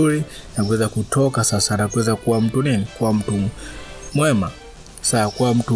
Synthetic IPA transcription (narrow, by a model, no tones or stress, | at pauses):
uɾi | nakuwɛzakutʰɔkasasanakuwɛzakuwam̩tuninikuwam̩tu | mwɛma | sakuwam̩tu